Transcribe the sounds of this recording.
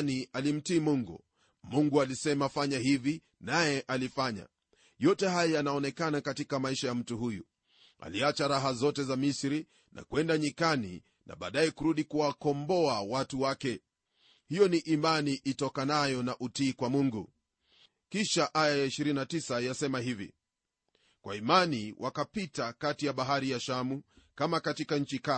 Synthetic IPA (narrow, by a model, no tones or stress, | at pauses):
nialim̩tiːmuŋɡṵ | muŋɡualisɛmafaɲaɦivi | najɛʔalifaɲa̰ | jɔtɛhajɔjanaɔnɛkanakatikamaiʃajam̩tuɦujṵ | a̰liat͡ʃaɾaɦazɔtɛzamisɾi | nʔa̰kwɛndaɲikanḭ | na̰ɓa̰ːɗaɛkuɾuɗikuwakɔmbɔawatuwakɛ | hijɔniʔimaniʔitɔkanajɔnaʔutiːkwamuŋɡu | kiʃaʔajajaiʃiɾinnatisajasɛmaɦivḭ | kwʔa̰imaniwʔakapitakatijaɓaɦaɾijaʃamukamakatikaɲ̩t͡ʃika